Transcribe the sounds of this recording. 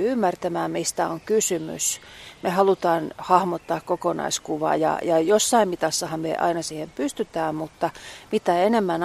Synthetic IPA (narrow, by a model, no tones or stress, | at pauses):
ymːært̪æmæːmmist̪æoŋkysymy̰smehɑlut̪ɑːnhɑhmot̪ːɑːkkokonɑ̰iskuʋɑ̰ːjɑ̰jɑjosːɑimmit̪ɑsːɑhɑmmḛʔɑ̰inɑsiːhempyst̪yt̪æːmmut̪ːɑmit̪æenemːæn